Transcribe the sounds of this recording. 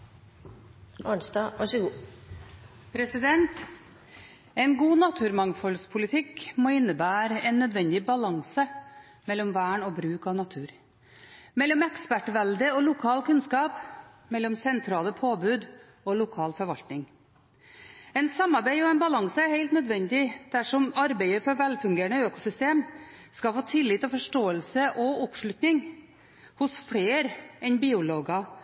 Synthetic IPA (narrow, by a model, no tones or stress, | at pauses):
ɑːɳsd̪ɑːʋɑʂəɡuː | pʰɾɛsɪd̪ɛnt̪ | ɛɪnɡuːnɑt̪ʰʉːɾmɑŋfɔlspʰʊlɪt̪ʰɪkmoːɪnːəbæːɾɛnːœd̪ʋɛnd̪ɪbɑlɑŋsə | mɛlːɔmʋæːɳɔːbɾʉːkɑʋnɑt̪ʰʉːɾ | mɛlːɔmɛkspæʈʋɛld̪əɔlʊkʰɑːlkʰʉnskɑːp | mɛlːɔmsɛnt̪ʰɾɑːləpʰoːbʉːd̪ | ɔlʊkʰɑːlfɔɾʋɑlt̪nɪŋ | ɛnsɑmːɑɾbæɪɔɛnbɑlɑŋsəæɾheɪlt̪nœd̪ʋɛnd̪ɪd̪̥æʂɔmɑɾbeɪəfɔɾʋɛlfʉŋɡeːɾɳəøːkʊsʏst̪eːmskɑfoːt̪ʰɪlːɪt̪ːɔfɔʂʈoːəlsəʔɔɔpʂɭʉt̪nɪŋ | hʊsfɽeːɾɛnbiːʊloːɡɑ